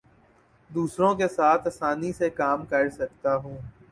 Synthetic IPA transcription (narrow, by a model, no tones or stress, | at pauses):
d̪uːsɾõk̬esaːt̪ʰɐsaːnisekaːmkɐɾsɐk̚t̪aɦũː